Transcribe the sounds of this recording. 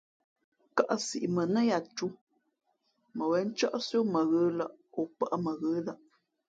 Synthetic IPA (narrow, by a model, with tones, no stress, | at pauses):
ka˦˨ʔsḭ˨ʔmə˨nə˦ja˨t͡ʃu˦ | mə˨wɛ˨˦n̩˦t͡ʃɔ˦ʔsjo˦mə˨ɣə˦lə˦˨ʔo˨pə˦ʔmə˨ɣə˦la˦ʔ